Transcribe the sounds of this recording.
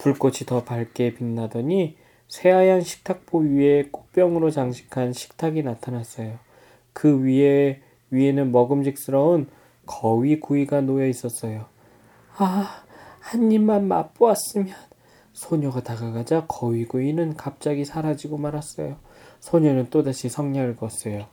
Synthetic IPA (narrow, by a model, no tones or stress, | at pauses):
puɭk͈ot͡ɕʰitʌpaɭk͈e̞pinːadʌɲi | sʰe̞ajaŋɕʰi̥k̚tʰak̚p͈oɥie̞k͈ok̚p͈jʌŋɯɾot͡ɕaŋɕʰi̥kʰanɕʰi̥k̚tʰaɡinatʰanas͈ʌjo | kɯɥie | ɥie̞nɯnmʌɡɯmɕ̬ʰik̚s͈ɯɾʌɯn | kʰʌɥikuiɡanojʌis͈ʌs͈ʌjo | a | haɲːimːanma̰p͈oas͈ɯmjʌn | sʰoɲoɡataɡaɡad͡ʑakʰʌwiɡoinɯnkap̚t͡ɕ͈aɡisʰaɾad͡ʑiɡomaɾɦas͈ʌ̰jo | sʰoɲonɯnt͈odaɕʰisʰʌŋɲʌɭɡʌs͈ejo